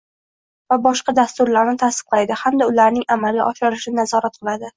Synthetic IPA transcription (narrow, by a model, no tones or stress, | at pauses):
vabɒʃqɑd̪ast̪ʊɾlaɾnɪt̪ʰasɨ̥q̚ʰlˠajd̪ɪhamd̪aʊlaɾnɪŋʔamalɡʲa̰ʔɒʃɒɾɪʃɪnnazɒɾat̪̚qʰɨlˠad̪ɪ